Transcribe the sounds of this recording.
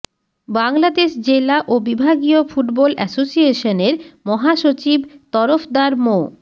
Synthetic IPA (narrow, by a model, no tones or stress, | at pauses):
baŋlad̪eʃd͡ʑelaʔobibʱaɡiofuʈbɔlɛsosieʃoneɾmɔɦaʃot͡ɕibt̪ɔɾofd̪aɾmo